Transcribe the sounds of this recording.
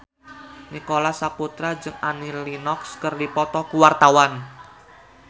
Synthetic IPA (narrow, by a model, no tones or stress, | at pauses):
nikolasaput̪ɾad͡ʒɨŋanilinɔkskərdipɔt̪ɔkuwart̪awan